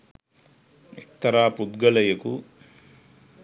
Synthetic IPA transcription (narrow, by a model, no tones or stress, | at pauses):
ek̚t̪ːɐɾaːpud̪ɡɐlɐjɐku